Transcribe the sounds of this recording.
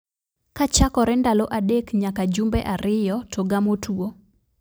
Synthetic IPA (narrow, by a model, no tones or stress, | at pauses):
kat͡ʃakɔɾɛndaloʔadekɲakad͡ʒumbɛʔaɾɪjɔtʰoɡamotuo